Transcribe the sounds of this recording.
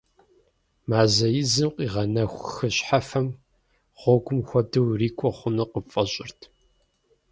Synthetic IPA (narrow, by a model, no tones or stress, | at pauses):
maːzɐjɪzɨmqʷʼiːʁɐnɐxʷxɨɕħafɐm | ʁ̥ʷɔɡʷʊmxʷɔdɨwriːkʷʼɔχʷʊnɨqəfʼɐɕʼɪrtʰ